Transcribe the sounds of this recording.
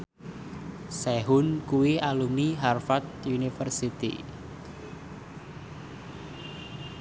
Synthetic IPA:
sɛɦʊnkuwialumiɦarfat̪̚junifərsit̪ḭ

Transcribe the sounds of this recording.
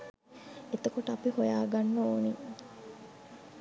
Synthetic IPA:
et̪ɐkoʈəɐpihojaːɡanːooːni

